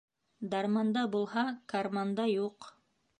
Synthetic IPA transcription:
d̪ɑɾmɑnd̪ɑbulˠhɑkɐrmand̪ɑjuq

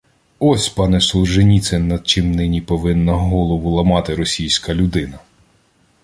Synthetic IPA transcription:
ɔsʲpɑnɛsˠʒenʲit̪sɛnːɐd̪̚t͡ʃɪmnɪnʲipɔʋɪnːɐɦɔlˠɔʋʊlˠɐmɑt̪ɪɾɔsʲijsʲkɐlʲʊd̪ɪnɐ

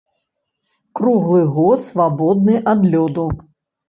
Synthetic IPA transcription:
kɾuɣlˠɨɣɔt̪svabɔd̪̚nɨʔad̪lʲɔd̪u

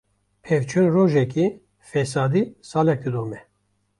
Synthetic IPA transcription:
pʰɛvt͡ʃʰunroːʒɛki | fɛs̬ɑːd̪isɑːlɛk̚d̪ɨd̪oːmɛ

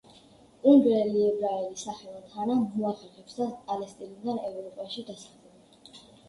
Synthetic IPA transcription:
uŋɡɾɛliɛbɾaɛlisaχɛlˠɔt̪ʰanamuaχɛχɛpsd̪apʼalɛst̪ʼinid̪anɛvɾɔpʼaʃid̪asḁχlɛbɛ

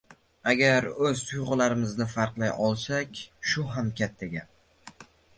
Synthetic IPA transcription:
aɡʲaɾɵz̥t̪ʰʊjʁʊlaɾɪmɪznɪfaɾqlˠajɒlˠsakʲʃʊɦamkʲʰat̪ʰːaɡʲa

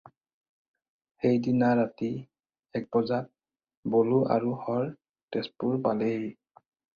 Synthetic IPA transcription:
xejdinaɹati | ɛk̚bɔzat̚ | boluʔa̰ɹuhɔɹ | tɛspuɹpale

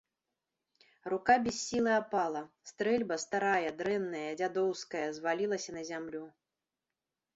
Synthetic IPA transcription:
rukabʲɛsʲːilˠɨapalˠɐst̪ɾɛlʲbɐst̪aɾajɐd̪ɾɛnːɐjɐd͡zʲad̪ɔwskɐjɐzvalʲilˠɐsʲɐnɐzʲamlʲu

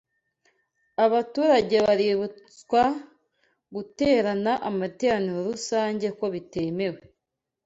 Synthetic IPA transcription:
aβatuːɾaɟe̞βaɾiβut͡skwa | ɡute̞ːɾanaʔamate̞ːɾaniɾo̞ɾusaːɲɟe̞kwo̞βite̞me̞we

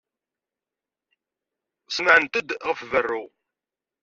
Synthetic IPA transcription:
sməʕənt̪əd̪ʁəfvərːu

